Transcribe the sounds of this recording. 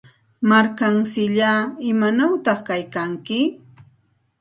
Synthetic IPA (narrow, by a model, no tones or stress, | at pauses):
maɾkaŋsɪʎaɪmanawt̪ɑχkajkaŋkɪ